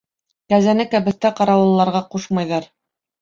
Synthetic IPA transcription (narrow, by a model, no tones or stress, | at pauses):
kæzænɘkæbɘ̆θt̪æqɑɾɑw̆ɤ̆lˠːɑɾʁɑquʃmɑjðɑɾ